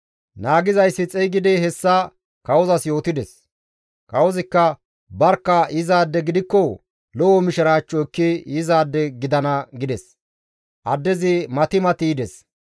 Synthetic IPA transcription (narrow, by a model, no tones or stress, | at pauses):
naːɡɪzɐjsːɪt͡sʼɛjɡɪd̪ɛɦɛsːɐ | kɐwɔzɐsjo̞ːt̪ɪd̪ɛs | kɐwɔzɪkːɐ | bɐɾkːɐɪzaːd̪ːɛɡɪd̪ɪkːɔ | lɔwɔmɪʃɪɾaːt͡ʃʼːɔkːɪɪzaːd̪ːɛɡɪd̪ɐnɐɡɪd̪ɛs | ʔɐd̪ːɛzɪmɐt̪ɪmɐt̪ɪːd̪ɛs